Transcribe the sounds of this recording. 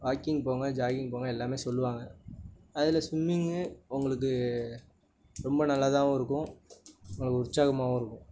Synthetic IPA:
ʋaːkɪŋɡpoːŋɡɐd͡ʒaːɣɪŋɡpoːŋɡɐɛlːaːmeːsɔlːɯʋaːŋɡɐɐðɪlɐsʊmːɪŋʊŋɡɐɭɯk̬ːɯ | ɾɔmbɐnɐlːaːt̪ãːɪɾɯkːʊ̃ʊŋɡɐɭɯkːɯʊɾt͡ʃːaːɣɐmaːʋʊ̃ɪɾɯkːʊ̃

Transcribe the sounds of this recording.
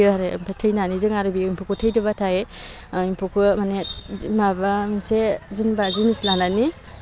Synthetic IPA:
ɯaɾempʰatʰɯjnanizɯŋaɾɯbiimpʰɔkʰɯtʰɯjdɯbatʰae | impʰukʰɯmanemabaminsezɯnbazinislanani

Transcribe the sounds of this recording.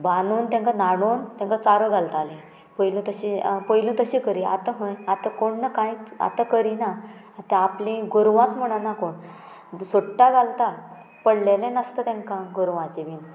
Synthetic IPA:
banuːnt̪ãŋkanaɽ̃uːnt̪ãŋkat͡saɾəɡʱalt̪alĩ | pəjlũt̪əɕipəjlũt̪əɕĩkəɾia̰t̪aɦə̃jat̪akoɳnakãjt͡sa̰t̪akəɾina | t̪ɛ̃aplĩɡuɾʋãt͡sm̤əɽ̃anakoɳ | soʈʈːaɡʱalt̪a | pəɽlelɛ̃nəst̪ət̪ɛ̃ŋkãɡuɾʋãt͡ɕiʋiːn

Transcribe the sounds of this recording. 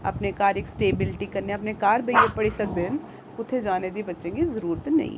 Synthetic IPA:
ɐ̰pnekaːɾeːksʈeːbɪlʈikɐɾneɐpnekaːɾbʱɐepɐɽisɐk̚d̪en | kʊt̪ʰːed͡ʒaːned̪ibɐtːʃẽkizɐɾuːɾət̪nɐ̰ɦḭ̃

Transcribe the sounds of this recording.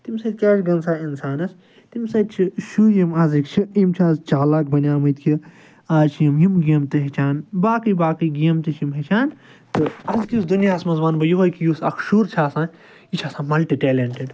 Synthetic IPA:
t̪imsɐt̪̚ʲt͡ʃɐɾɡɐnsaːinsaːnɐs | t̪imsɐt̪t͡ʃʰiʃuːjimɐzikt͡ʃʰiimt͡ʃʰaːzt͡ʃaːlaːk̚bɐnʲaːmɨt̪kʰʲi | aːzt͡ʃʰjimjimɡiːmt̪ɨɦet͡ʃʰaːnbaːkɨjbaːkɨjɡimt̪iʃjimɦet͡ʃʰaːn | t̪ɨɐzkisd̪unjaːsmɐzbaːnbɐjuɦɐkʰijusɐkʰʃuːɾt͡ʃʰaːsãː | it͡ʃʰaːsãːmɐlʈiʈeːleɳʈeɖ

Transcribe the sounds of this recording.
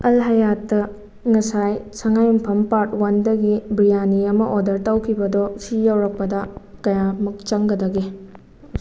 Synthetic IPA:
ɐlɦɐjatːɐ | ŋɐsajsɐŋajumpʰɐmpaɾt̚wɐndɐɡibɾijaniɐmɐʔodɐɾtɐwkʰibɐdosijawɾɐk̚pɐdɐkɐjamɐk̚t͡ʃɐŋɡɐdɐɡe

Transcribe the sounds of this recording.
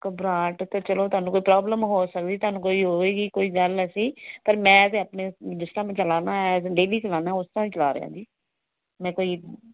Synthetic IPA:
kəbɾaːʈt̪eːt͡ʃəloːt̪ʊaːnũːkoːiːpɾaːbləmɦoːsək̚d̪iːt̪ʊaːnũːkoːiːɦoːeːɡiːkoːiːɡələsiːpəɾmɛ̃ːət̪ẽːəpneːd̪ʊsɾãːmẽːt͡ʃəlaːnaːɛɖeːliːt͡ʃəlaːnaːʊst̪ãːĩt͡ʃəlaːɾɪ̰jã̰ːd͡ʒiː | mɛ̃ːkoːiː

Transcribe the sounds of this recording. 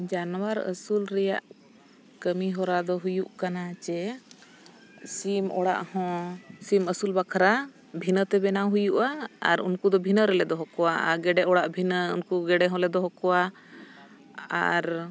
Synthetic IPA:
d͡ʒanwaɾə̰sulɾɛja̰ʔ | kəmiɦɔɾad̪ɔɦujuʔkanat͡ʃɛ | simɔɽa̰ʔhɔ̃siməsulbakʰɾa | bʱinət̪ɛbɛnawɦujuʔaa̰ɾṵnkud̪ɔbʱinəɾɛlɛd̪ɔɦɔkɔwaʔaɡɛɖɛʔɔɽaʔbʱinəṵnkuɡɛɖɛɦɔ̃lɛd̪ɔɦɔkɔwa | a̰ɾ

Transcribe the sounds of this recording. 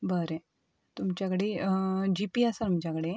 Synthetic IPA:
bəɾe | t̪umt͡ɕjakəɽed͡ʑipiasaɾum̤d͡ʑakəɽe

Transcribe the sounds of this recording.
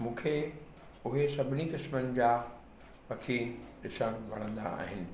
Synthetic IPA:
mũːkʰe | ʊɦesɐbʱɪnikɪsmənɪ̆d͡ʑaː | ʋɐkʰiɗɪsəɽʋɐ̰ɽ̃ə̃nd̪a̰ːɦɪnɪ̆

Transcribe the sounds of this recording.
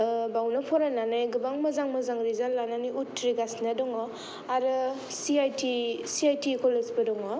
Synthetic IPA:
bawnapʰɔɾananɯjɡɯbaŋmazaŋmazaŋɾizalːananiutːɾiɡasnadɔŋɔ | aɾɯ | siajtisiajtikɔlezbɐdɔŋɔ

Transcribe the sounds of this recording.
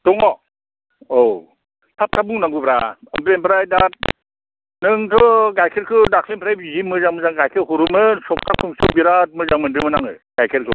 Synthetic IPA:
tɔŋɔ | ow | tʰap̚tʰabuŋnaŋɡubɾaɯmpɾempʰɾajdat̚ | nɯŋtʰɔɡajkʰeɾkʰɯdakʰlenpʰɾajbizimɯzaŋmɯzaŋɡajkʰɯɾhuɾumɯnsɔp̚tʰakʰumsɯwbiɾat̚mɯzaŋmɯndɯmɯnaŋɯ̰ | ɡ̥ajkʰeɾkʰɯ

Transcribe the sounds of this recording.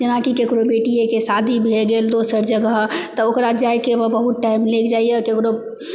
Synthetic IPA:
d͡ʒənakikekɾobeʈiekesad̪ʱibʱeɡeːld̪osəɾd͡ʒəɡəɦt̪əokɾad͡ʒajkebəbəɦut̪̚ʈaɪmlekd͡ʒaːiekekɾo

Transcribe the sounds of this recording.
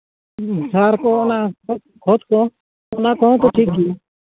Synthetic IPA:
saːɾkõːnaːo | kʰoːt̪kõː | onãːkõːt̪oːʈʰiːkːiː

